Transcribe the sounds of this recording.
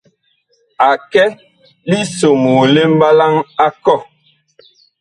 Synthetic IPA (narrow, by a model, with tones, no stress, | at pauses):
a˨kɛ˦ | li˦so˨moː˨le˦m̩˦ba˦la˦ŋa˦kɔ˦˨